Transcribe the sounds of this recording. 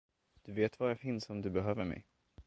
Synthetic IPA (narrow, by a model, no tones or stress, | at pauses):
d̪̥ɵveːt̪vajafɪnsɔmd̪ɵbɛɦøːvəɾmɛ̰j